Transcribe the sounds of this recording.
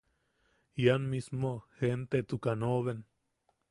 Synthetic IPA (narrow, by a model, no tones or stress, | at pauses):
janmismohent̪et̪ukanoβen